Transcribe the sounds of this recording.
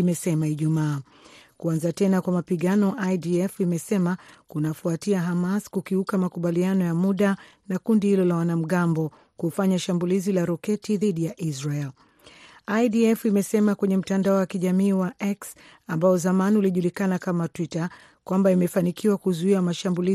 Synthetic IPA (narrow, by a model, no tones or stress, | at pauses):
imɛsɛmaiʄumaː | kuanzatɛnakwamapiɠanɔʔaidiɛfimɛsɛmakunafuatiaɦamaskukiukamakuɓalianɔjamuɗanakundihilɔlawanam̩ɠambɔ | kufaɲaʃambulizilaɾɔkɛtiðiɗijaʔizɹaɛl | ajdiɛfimɛsɛmakwɛɲɛm̩tandaɔwakiʄamiːwaʔɛks | ambaɔzamaniuliʄulikanakamatwita | kwambaimɛfanikiwakuzuiwamaʃambuli